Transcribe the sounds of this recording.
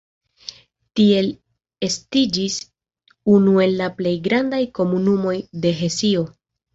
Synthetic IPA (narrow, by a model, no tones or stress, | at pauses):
tie̞l | e̞stid͡ʒis | unue̞lːaple̞jɡɾandajko̞munumo̞jde̞ɦe̞sio̞